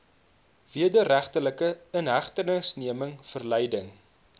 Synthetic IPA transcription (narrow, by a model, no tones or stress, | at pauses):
viədəræχtələkəənɦæχtənəsniəməŋfərlɛjdəŋ